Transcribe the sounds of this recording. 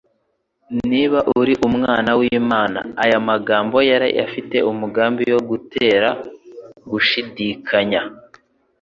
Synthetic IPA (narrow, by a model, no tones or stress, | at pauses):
niːβaʔuɾiʔumŋaːnawiːmaːna̰ːjamaɡaːmbo̞jaɾa̰ja̰fite̞̰umuɡaːmbijo̞ɡutʰe̞ːɾa | ɡuʃidikʰaɲa